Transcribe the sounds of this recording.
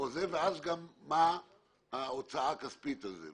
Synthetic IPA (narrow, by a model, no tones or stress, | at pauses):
ozeveazɡamːa | aot͡saakaspit̪azḛ